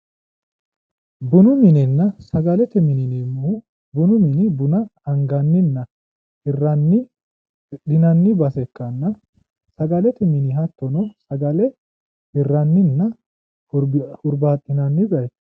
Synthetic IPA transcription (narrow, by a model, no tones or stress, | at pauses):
bʊnʊmɪnɪnːɐsɐɡɐlɛt̪ɛmɪnɪnɪmːu | bʊnʊmɪnɪbʊnɐɐŋɡɐnːɪnːɐ | ɪrɐnːɪ | ᶑɪnɐnːɪbɐsɛkːɐnːɐ | sɐɡɐlɛt̪ɛmɪnɪɦɐt̪ːɔnɔsɐɡɐlɛ | ɪrːɐnːɪnːɐ | ʊʊɾbaːtːɪnɐnːɪzɐj̪